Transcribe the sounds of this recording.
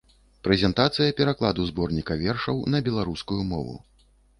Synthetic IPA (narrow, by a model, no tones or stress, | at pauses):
pɾɛzʲɛnt̪at̪sɨjɐpʲɛɾaklˠad̪uzbɔrnʲikɐvʲɛrʂɐwnɐbʲɛlˠaɾuskujumɔvṵ